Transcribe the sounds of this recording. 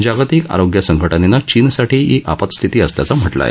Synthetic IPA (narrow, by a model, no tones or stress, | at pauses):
d͡ʑaɡat̪iːka̰ɾoɡjəsəŋɡʱəʈənenat͡ɕiːnsaʈʰiːɦiʔa̰pət̪st̪ʰit̪iːəslja̰t͡sam̤əʈla̰jḛ